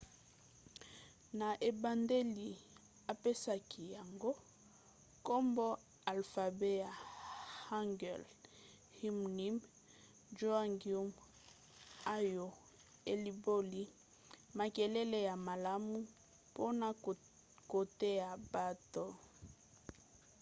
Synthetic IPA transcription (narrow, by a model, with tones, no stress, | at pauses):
na˨ʔe˨ba˨nde˦li˨ | a˨pe˦sa˦kʰi˨ja˨ŋɡo˦ | ko˦mbɔ˦ | a˨lfa˨be˦ja˨ha˦ŋɡɛ˨l | hi˦m˨ni˦m | d͡ʒo˦a˦ŋɡi˨u˦m | a˦jo˨ | e˨li˨bo˦li˨ | ma˨ke˨lɛ˦le˨ja˨ma˨la˦mu˦ | po˦na˨ | ko˨te˦ja˨ba˦to˨